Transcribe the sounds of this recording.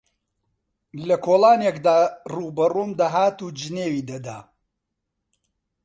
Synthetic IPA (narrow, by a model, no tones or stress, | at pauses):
lɐkʰoːlˠaːnekd̪aːruːbɐruːmd̪aːɦaːt̪uːd͡ʒɨneːwiːd̪ɐd̪a̰ː